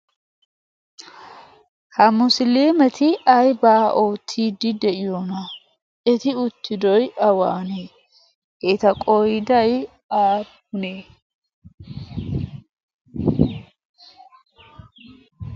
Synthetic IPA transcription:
hɐmʊsleːmɛt̪ɪɐjbaːʔoːt̪ʰːiːd̪ɪd̪ɛʔɪjoːnɐ | ɛt̪ɪʊt̪ːɪd̪ɔjɐwaːneː | et̪ɐkʼɔjd̪ɐj | aːb | ʊneː

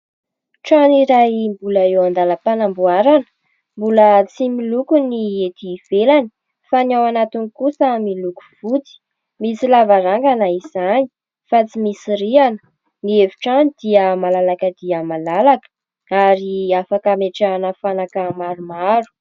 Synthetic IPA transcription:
ʈ͡ʂaniɾajmbuləewand̪aləpanambuaɾanə̥ | mbulət͡similukuniet̪iv̥elani̥ | fanawanat̪inikusəmiluku̥v̥ud̪i̥ | misilavaɾaŋɡanəiz̥ani̥ | fat͡simisiɾianə̥ | nievi̥ʈ͡ʂanid̪iəmalalakəd̪iəmalalakə̥ | aɾiafakəmeʈ͡ʂanəfanakəmaɾumaɾu̥

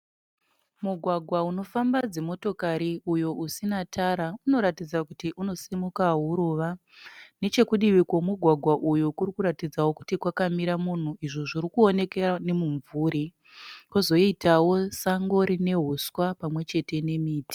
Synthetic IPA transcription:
muɡʱwaɡʱwauno̞fambad͡zemo̞to̞kaɾiujoʔusinatʰaɾauno̞ɾatid͡zakutiʔuno̞simukaɦuɾuʋa | ne̞t͡ʃe̞kuɗiʋikwomuɡʱwaɡʱwaʔujukurikuɾatid͡zawo̞ku̥tikwakamiɾamun̤uiʐoʐiɾikuo̞ne̞kerane̞muɱvuːɾi | kuzo̞itawo̞saŋɡo̞ɾine̞ɦuswapamwe̞t͡ʃe̞te̞ne̞miːtʰi̥

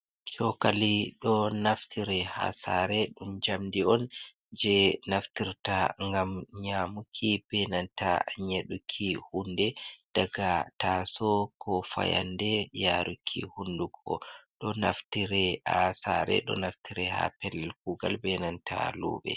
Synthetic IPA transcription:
t͡ʃɔkaliɗɔnaftʰiɾɛha̰saɾɛɗumd͡ʒamdiɔn | d͡ʒɛnaftiɾtaŋɡamɲamukʰib̥ɛnantaɲeɗukʰihundɛd̥aɡatasɔkʰɔfa̰ja̰ndɛjaɾukʰḭhunduɡɔɗɔnaftiɾɛʔasaɾɛ̰ɗɔ̰naftiɾɛha̰pɛlːɛlkuːɡalbɛnantʰa̰lṵːɓɛ̰

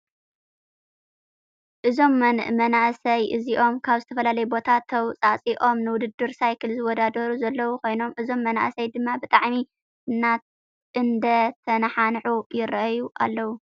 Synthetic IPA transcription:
ʔɨzo̞mːɐnʔmɐnaʔsɐjʔɨziʔo̞mkʰaβzɨt̪ʰɐfɐlalɐjubo̞t̪ʰat̪ʰːɐwt͡sʼa̰t͡sʼiʔo̞mnɨwʊd̪ɨd̪ːɨɾsajkʰɨlzɨwɔd̪ad̪ɐɾuzɐlːɐwukʰo̞jno̞mʔɨzo̞mːɐna̰ʔsɐjd̪ɨmːabɨt̪ʼaʕmi | ɨnːat̪ | ɨnd̪ɐt̪ʰɐnħanʕujɪɾʔɐjuʔa̰lːɐwu

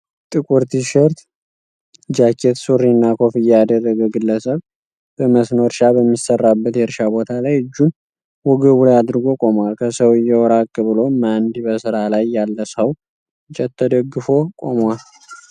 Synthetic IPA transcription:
t̪ʼɨkʼuɾt̪ʰiʃɛɾt̪ | d͡ʒakʰet̪suɾinːakʰo̞fɨjːad̪ərːəɡəɡɨlːəsəβ | b̥əməsnoɾʃabəmːisərːabːət̪jɛɾʃabo̞t̪ʰalajɨd͡ʒːun | wɔɡəwuljad̪ɾɨɡo̞kʼo̞mwalkʰəsəwɨjːɛwɔɾakʼːɨbɨlo̞mand̪ibəsɨɾalajːalːəsəw | t͡ʃʼɛt̪ʰːəd̪əɡːɨfo̞kʼo̞mwal

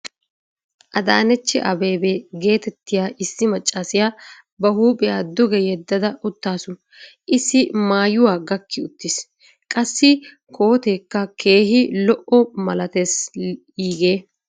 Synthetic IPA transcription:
ʔɐd̪aːnɛt͡ʃːɪʔɐbe̞ːbeːɡe̞ːt̪ɛt̪ːɪjaːʔɪsːɪmɐt͡ʃʼːasɪjaː | bɐhuːpʼɪjaːd̪ʊɡɛjɛd̪ːɐd̪ɐʊt̪ːaːsʊ | ʔɪsːɪmaːjʊwaːɡɐkʰːɪʊt̪ːɪs | kʼɐsːɪ | kʰo̞ːt̪e̞ːkːɐkʰe̞ːhɪlɔʔɔmɐlɐt̪eːs | iːɡeː

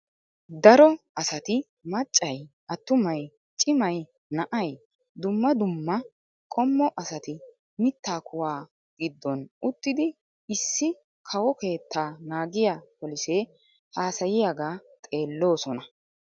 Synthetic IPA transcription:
d̪ɐɾɔɐsɐt̪ɪ | mɐt͡ʃʼːɐj | ʔɐt̪ːʊmɐj | t͡ʃʼɪmɐj | nɐʔɐj | d̪ʊmːɐd̪ʊmːɐ | kʼɔmːɔʔɐsɐt̪ɪ | mɪt̪ːaːkʰʊwaː | ɡ̥ɪd̪ːɔnʔʊt̪ːɪd̪ɪ | ɪsːɪ | kʰɐwɔke̞ːt̪ːaːnaːɡɪjapɔlɪseː | haːsɐjɪjaɡaːt̪ʼe̞ːlːo̞ːsɔnɐ

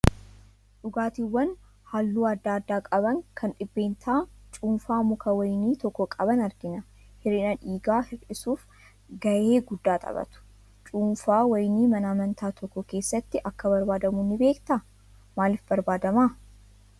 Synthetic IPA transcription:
ᶑʊɡaːt̪iːwːɐn | halːuːɐd̪ːaːɐd̪ːaːkʼɐbɐŋkʰɐnᶑɪbːe̞ːnt̪ʰaːt͡ʃʼuːnfaːmʊkʰɐwɐjniːt̪ɔkːɔkʼɐbɐnɐɾɡɪnɐ | hɪɾɪnɐniːɡaːhɪɾᶑɪsuːf | ɡɐʔeːɡʊd̪ːaːt̪ʼɐ̰bɐ̰t̪ʊ̥ | t͡ʃʼuːɱfaːwɐjniːmɐnɐɐmɐnt̪ʰaːt̪ʰɔkːɔke̞ːsːɐt̪ːɪʔɐkːɐβɐɾbaːd̪ɐmunːɪbe̞ːkt̪ɐ | maːlɪfbɐɾbaːd̪ɐmaː

